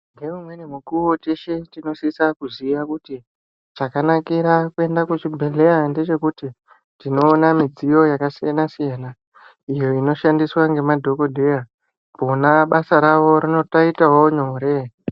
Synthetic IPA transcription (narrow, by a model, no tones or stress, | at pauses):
ŋɡe̞umwe̞nemukuwot͡ʃe̞ʃe̞tino̞sisakuziʋakuti | t͡ʃakanakiɾakue̞ndakut͡ʃibʱe̞ɮe̞jande̞t͡ʃe̞kuti | tino̞ːnamid͡zijo̞jakasijanasijana | ijo̞ino̞ʃandiswaŋɡe̞madʱo̞ko̞dʱe̞ja | ponaɓasaɾaʋo̞ɾino̞taitaɦoɲo̞ɾe̞